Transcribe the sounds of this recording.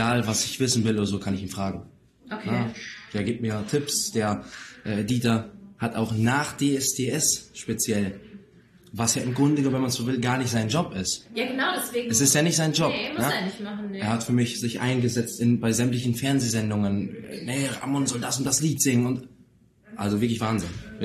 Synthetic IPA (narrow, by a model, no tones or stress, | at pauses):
aːlvasɪçv̥ɪsn̩vɪloːdɐzoːkʰanɪçiːmfʁ̥aːɡŋ̩ | knəd̥eːɐɡiːp̚t̚miːɐtʰɪpsd̥eːɐʔɛːdiːtɐhataʊxnaːχd̥eːɛsd̥eːʔɛsʃpet͡sjɛl | vasjaːʔɪmɡʁʊndəɡənɔmvɛmansz̥oːvɪlɡaːɐnɪçtz̥aɪnd͡ʒɔpɪstjaənaʊɛseɛsɪstjaːnɪçtz̥aɪnd͡ʒɔpnənɪman̩eːɐhatfyːɐmɪçz̥ɪçʔa̰ɪnɡəzɛt͡stɪnbaɪzɛmtlɪç̬n̩fɛɐnzeːzɛndʊŋən̰ːnɛʁa̰mɔnzɔldasʊnt̚d̥asliːtz̥ɪŋənʊnt | ʔa̰lzovɪɐklɪçv̥aːnzɪn